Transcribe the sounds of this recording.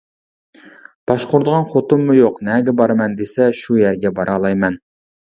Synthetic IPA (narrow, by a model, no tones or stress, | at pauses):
b̥ɑʃqoɾd̪əʁɑnχot̪ɨmːujoqnɛɡʲɛbɑɾmɛnd̪esɛʃujæɾɡʲɛbɑɾʔɑlˠɑjmɛn